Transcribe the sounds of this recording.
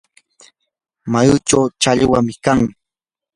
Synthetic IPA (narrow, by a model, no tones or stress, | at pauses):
majʊt͡ʃawt͡ʃaʎwamɪkaŋ